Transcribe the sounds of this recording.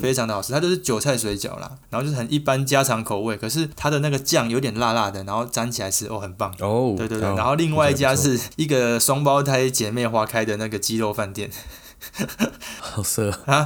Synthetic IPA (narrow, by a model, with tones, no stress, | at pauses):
fe˥ɪʈ͡ʂʰɑ˨˧ŋd̪ə˩xɑ˨˩ʂ̩˥t̪ʰa˥jo˥˧ʊʂɻ̩˥˩t͡ɕjo˨ʊt͡sʰa˥˩ɪswe˧˥ɪt͡ɕjɑ̰˨˩ʊla̰˨˩n˨˧˥xo˥˧t͡ɕo˥˩ə˨˩ni˥˩pa˦˥nt͡ɕja˦ʈ͡ʂʰɑ˧˦˥ŋkʰo˨ʊwe˥˩ɪkʰɤ˨˩ʂ̬ɻ̩˥˩t̪ʰa˥d̪ə˨na˥˩ɡə˩t͡ɕjɑ˥˨ŋjo˨˧˦it̪jɛ˨nla˥˧la˥˧d̪ə˩na˧˥nxo˥˩ʊt͡sa˥˦nt͡ɕʰi˨˩la˧˦ɪʂɻ̩˥˧ʔo˥˩xə˨˩npɑ˥˨˩ŋwe˥˧t̪we˥˧we˥˧˩na˧˦xo˥˧ʊli˥˧ŋwa˥˧ɪi˥˩t͡ɕja˦ʂ̬ɻ̩˥˩˧i˥˩ɡə˨sɔ˥ŋp̬ɑ˥˦ʊt̪ʰa˥˩ɪt͡ɕjɛ˨˩me˥˩ɪxwa˥kʰa˦ɪd̪ə˨na˥˩ɡə˩t͡ɕi˦˥lo˥˧ʊfa˥˧nt̪jɛ˥˩n | xɑ˨˩sɤ˥˩a˦